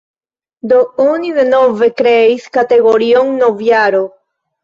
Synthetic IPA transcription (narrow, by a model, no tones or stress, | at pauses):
d̪ouniðenovekɾeiskat̪eɣoɾioŋnovjaɾo